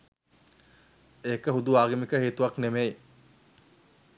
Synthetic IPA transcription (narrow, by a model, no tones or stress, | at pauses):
eːkəɦud̪uaːɡemikəɦeːt̪uʋɐknemej